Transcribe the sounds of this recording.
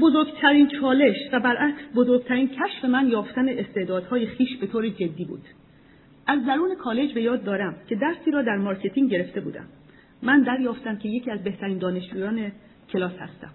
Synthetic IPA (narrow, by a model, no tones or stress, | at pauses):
bo̞zoɾɡt̪ʰæɾiːnt͡ʃʰɒːle̞ʃvæbæɾʔæksbo̞zo̞ɾɡ̚t̪ʰæɾiːncʰæʃfe̞mænjɒːft̪æneʔest̪eːd̪ɒːd̪̥hɒːje̞χiːʃbe̞t̪oːɾed͡ʒe̞d̪ːiːbṵːd̪̥ | ʔæzd̪æɾuːne̞kʰɒːle̞d͡ʒbe̞jɒːd̪ːɒːɾæmcʰe̞d̪æɾsiːɾɒːd̪æɾmɒːɾcʰe̞t̪ʰiːŋɟe̞ɾe̞ft̪e̞bṵːd̪æ̰mː | ænd̪æɾjɒːft̪æmcʰe̞je̞cʰiːæzbe̞ht̪ʰæɾiːnd̪ɒːne̞ʃd͡ʒuːjɒːne̞ | cʰe̞lɒːshæ̰st̪æ̰m